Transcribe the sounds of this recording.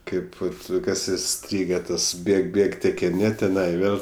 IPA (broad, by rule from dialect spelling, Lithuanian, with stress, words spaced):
ˈkɐɪp ˈʋɐt ˈkɐs ɪˈsʲtʲrʲiːɡʲɛ ˈtɐs ˈbʲeːk ˈbʲeːk tʲɛkʲɪˈnʲɪ tʲɪˈnɐɪ ˈʋʲeːlˠ